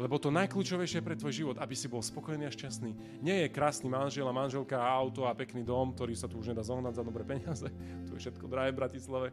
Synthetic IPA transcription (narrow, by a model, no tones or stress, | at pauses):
lɛbɔt̪ɔnajkluːt͡ʃɔʋɛjʃɪɛɛpɾɛt̪ʋɔjʒiʋɔd̪abisibɔlspɔkɔjniːaʃcasniː | ɲɪɛjɛkɾaːsniːmanʒɪɛlamanʒɛlkaaʊt̪ɔapɛkniːd̪ɔmk̚t̪ɔɾiːsat̪uuʒɲɛd̪aːzɔɦnaɟzad̪ɔbɾɛpɛɲɪazɛ | t̪ɔjɛ̰fʃɛt̪kɔd̪ɾaɦɛːvbɾacislaʋɛ